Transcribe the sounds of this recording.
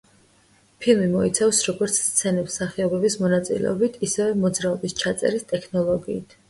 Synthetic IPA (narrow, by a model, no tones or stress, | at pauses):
pʰilˠmimɔit̪sʰafsɾɔɡɔɾt̪sʰst̪sʰɛnɛpsaχɛɔbɛbismɔnat̪sʼḭlɛ̰ɔbit̪ʰisɛvɛmɔd̪zɾaɔbist͡ʃʰat̪sʼɛ̰ɾist̪ʼɛkʰnɔlˠɔɡiːt̪ʰ